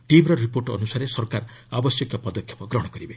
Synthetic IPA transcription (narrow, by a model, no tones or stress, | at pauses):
ʈimɾɔɾipoɾʈɔɔ̰nusaɾesɔɾkaɾabɔsjɔkjɔpɔd̪ɔkʰːjɔ̥pɔɡɾɔɽ̃ɔkɔɾibe